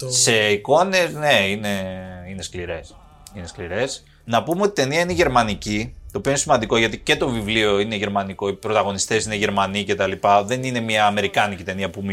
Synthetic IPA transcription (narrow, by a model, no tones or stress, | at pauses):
se̞iko̞ne̞zne̞ine̞ine̞skliɾe̞s | ine̞skliɾe̞s | nɐpumeo̞t̪it̪e̞niɐineʝe̞ɾmɐnicit̪o̞ːpioinesimɐnd̪iko̞ʝɐt̪ice̞t̪o̞vivlio̞ine̞ʝe̞ɾmɐniko̞ipɾo̞t̪ɐɣo̞nist̪e̞sineʝe̞ɾmɐnice̞t̪ɐlipɐðe̞nine̞mɐːme̞ɾikɐnicit̪e̞niɐpum